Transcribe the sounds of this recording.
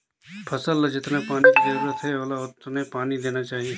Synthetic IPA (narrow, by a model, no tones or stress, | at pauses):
pʰɐsəld͡ʒɪt̪napaːnikizɐɾuːɾət̪ɦɛoːlaʊt̪nepaːnid̪eːnat͡ʃaːɦie